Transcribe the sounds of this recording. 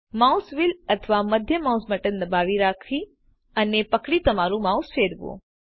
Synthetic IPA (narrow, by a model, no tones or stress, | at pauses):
mausʋilət̪ʰəʋaməd̪ʱjəmawsməʈənd̪əbaʋiɾakʰi | ənepəkɽit̪əmaɾũmausfeɾʋõ̰